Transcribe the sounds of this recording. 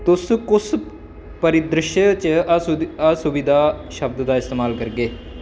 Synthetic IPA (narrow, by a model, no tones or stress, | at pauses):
t̪ʊskʊs | pəɾɪd̪ɾɪʃət͡ʃəəsʊbid̪aːʃəb̚d̪d̪aːɪst̪eːmaːlkəɾɡeː